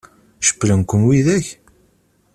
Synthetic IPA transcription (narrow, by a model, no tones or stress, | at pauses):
ʃə̥pːɾinkʷːənwiðæç